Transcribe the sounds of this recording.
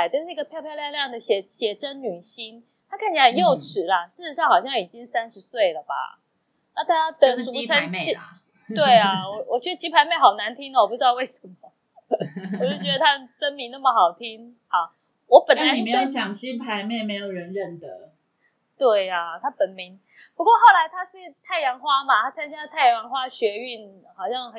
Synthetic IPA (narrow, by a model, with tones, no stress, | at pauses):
ɪt͡ɕʊʂ̩˥˧˩i˥ɡə˨pʰjɑ˥˧ʊpʰjʊljɑ˥˧ljɑ˥˩ŋd̪ə˩ɕjɛ˨˥ɕjɛ˨˥ʈ͡ʂə˦nny˨˩ɕi˥n | t̪ʰa˥kʰa˥˩nt͡ɕi˨˩na˨ə˨˩njo˥˩ʊʈ͡ʂʰɻ̩˨˦lɐ˦ʂɻ̩˥˩ɻ̩˧˥ʂɑ˥˩ŋxɑ˨˩ʊɕjɑ˥˩ŋi˨˩t͡ɕi˦ŋsa˥nʂɻ̩˧˦swe˥˩ɪlə˩ba̰˩ | na˥˩t̪ʰa˦˥t̪ə˧˦u˨˥t͡sʰa˥˦˨t͡ɕi˥˨ | t̪we˥˩ɪa˩wɔ˨˦wɔ˨˩t͡ɕɥɛ˧˥d̪ə˧˩t͡ɕi˦˥pʰa˧˥ɪme˥˩ɪxɑ˨˩ʊna˧˦˥nt̪ʰi˥ŋlə˨wɔ˨pu˥˩ʈ͡ʂɻ̩˧˥d̪ɑ˥˧ʊwe˥˩ɪʂə˧˦nmə˦˨˩ | t͡ɕ̩˥˩t͡ɕɥɛ˧˥d̪ə˧t̪ʰa˥t͡sə˥nmi˧˦na˥˩mə˩xɑ˨˩ʊt̪ʰi˥ŋ | hɑ˨˩ | wɔ˨˦pə˨nla˧˦ʂe˦˥jo˧˦t͡ɕjɑ˨˩ŋt͡ɕi˦pʰa˧˦ɪme˥˩ɪme˧˥ɪjo˨˩ʊɻə˧˦nɻə˥˨nd̪ə˩ | t̪we˥˩ɪa˩t̪ʰa˥pə˨˩nmi˨˦ŋ | pu˧˥kwɔ˥˧xɑ˥˩ʊla˧˥ɪt̪ʰa˥ʂɻ̩˥˧t̪ʰa˥˩ɪjɑ˧˥ŋxwa˥ma˨t̪ʰa˥t͡sʰa˥nt͡ɕt̪ʰa˥˩ɪjɑ˧jɑ˧˥ŋxwa˥ɕɥɛ˧˥y˥˩n | xɑ˨˩ʊɕjɑ˥˧ŋx